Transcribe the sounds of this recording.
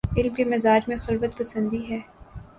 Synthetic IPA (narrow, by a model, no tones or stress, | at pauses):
ɪlmkemɪzaːd͡ʒmẽxɐlʋət̪pɐsə̃nd̪iɦɛː